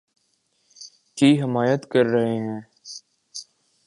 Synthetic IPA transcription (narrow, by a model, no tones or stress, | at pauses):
kiːɦɪmaːjət̪kɐɾːɐɦeɦɛ̃ː